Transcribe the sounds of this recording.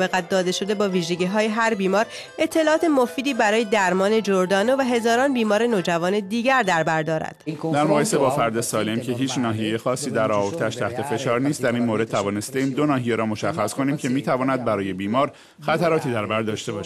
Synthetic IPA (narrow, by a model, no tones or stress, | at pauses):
beɣæt̪̚d̪ɒːd̪e̞ʃod̪e̞bɒːviːʒe̞ɟiːɦɒːjeɦæɾbiːmɒːɾ | e̞t̪ʰːe̞lɒːɒːt̪ʰe̞mofiːd̪iːbæɾɒːje̞d̪æɾmɒːne̞d͡ʒoɾd̪ɒːnovæɦe̞zɒːɾɒːnbiːmɒːɾe̞noːd͡ʒævɒːne̞d̪iːɟæɾd̪æɾbæɾd̪ɒːɾæ̰d̪̥d̪æɾmoɣɒːje̞sebɒːfæɾd̪esɒːlemcʰe̞ɦiːt͡ʃnɒːɦije̞jexɒːsːiːd̪æɾɒːvoɾd̪ʰææʃt̪ʰæht̪ʰefe̞ʃɒːɾniːst̪̚d̪æɾiːnmoɾe̥t̪ʰævɒːne̞st̪e̞iːmd̪o̞nɒːɦijeɾɒːmo̞ʃæxːæskʰo̞niːmcʰe̞miːt̪ʰævɒːnæd̪̚bæɾɒːje̞biːmɒːɾ | xæt̪ʰæɾɒːt̪ʰiːd̪æɾbæɾd̪ɒːʃt̪ebɒːʃ